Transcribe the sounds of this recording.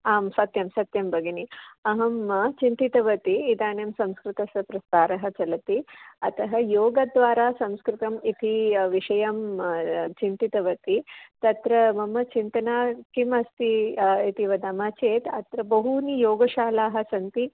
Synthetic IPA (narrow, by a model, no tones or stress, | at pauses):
aːmsɐt̪jɐmsɐt̪jɐmbɐɡiniɐɦɐmt͡ʃint̪it̪ɐʋɐt̪iːd̪aːnjɐmsɐ̃mskɾɪt̪ɐsɐpɾɐst̪aːɾɐɦɐ̆t͡ʃɐlɐt̪iɐt̪ɐɦɐjoːɡɐd̪ʋaːɾaːsɐ̃mskɾɪt̪ɐmit̪ʰiʋiʂɐjɐm | t͡ʃint̪it̪ɐʋɐt̪it̪ɐt̪ɾɐmɐmɐt͡ʃint̪ɐnaːkimɐst̪iit̪iʋɐd̪ɐmaːt͡ʃeːt̪ɐt̪ɾɐbɐɦunijoːɡɐʃaːlaːɦɐ̆sɐnt̪i